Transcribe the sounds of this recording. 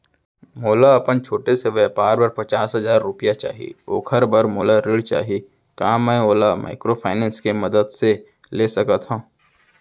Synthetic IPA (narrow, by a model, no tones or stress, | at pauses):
moːlaɐpənt͡ʃʰoːʈeseʋɛpaːɾbɐɾpɐt͡ʃaːsɦɐzaːɾːʊpijat͡ʃa̰ːɦḭoːkʰəɾbɐɾmoːlaɾɪɭt͡ʃa̰ːɦi | kaːmɛ̃oːlama̰ːɪkɾopʰaːɪnɛ̃ːnskemɐd̪əd̪se | leːsɐkat̪ɦãː